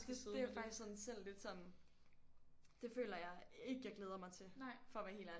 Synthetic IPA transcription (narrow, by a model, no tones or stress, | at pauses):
d̥e̥eæjofɑ̈ɡ̥issɒ̽nsel̰le̝d̥sɒ̽n | d̥e̝fø̰ːlɐjɑ̈ɪe̝ɡ̥əjɑ̈ɪɡleːð̞ˠɐmɑ̈ɪt͡sʰe̝fɒ̽ʋæhe̝̰ːlæ